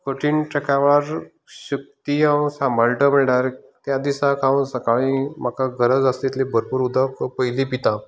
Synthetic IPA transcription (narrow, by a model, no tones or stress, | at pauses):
kəʈʰiːnʈəkaʋɭaɾ | ɕək̚t̪iɦaʋsãmbʱəlʈəməɭɖaɾ | t̪jad̪isakʰaʋsəkaɭĩm̤akʰaɡəɾəd͡zast̪it̪lebəɾpuːɾud̪ʱakpəjlipit̪ã